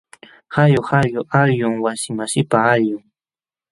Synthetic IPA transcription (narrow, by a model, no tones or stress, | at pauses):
hajohaɾjoʔaɾjʊŋwasɪmasɪpaajʊŋ